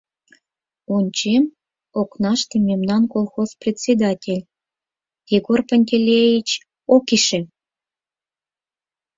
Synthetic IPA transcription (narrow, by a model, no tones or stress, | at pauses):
unʲt͡ɕem | oknɑʃt̪ĕmʲemnɑnkolˠxosprʲetʲsʲed̪ɑtʲelʲ | jeɡorpənʲtʲelʲejit͡ɕ | okiʃĕ